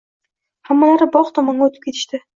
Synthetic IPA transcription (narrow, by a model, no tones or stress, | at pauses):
hamːalaɾɪbɒqt̪ʰɒmɒŋɡʲaot̪ʰɪ̥p̚kʲʰe̞t̪ʰɪ̥ʃt̪ɪ